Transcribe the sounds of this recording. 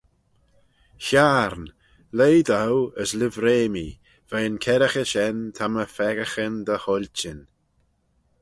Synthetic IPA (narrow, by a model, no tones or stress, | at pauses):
çaɾn | lejd̪awəslɪvɾeːmi | v̥ajənkʰɛɾəxəʃɛnt̪ʰaməfɛɡəxənd̪əhɔlʲt͡ʃɪn